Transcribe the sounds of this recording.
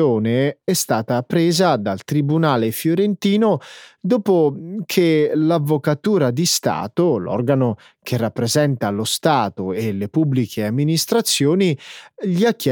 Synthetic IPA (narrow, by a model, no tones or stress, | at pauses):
oːneɛst̪aːt̪apɾeːzad̪alt̪ɾibunaːlefjoɾent̪iːnod̪oːpokʰelavːokat̪uːɾad̪ist̪a̰ːt̪olɔ̰rɡano | kʰerːapːɾezɛnt̪alost̪aːt̪oelepubːlikʰeamːinist̪ɾat̪sːjoːniʎiakːɛ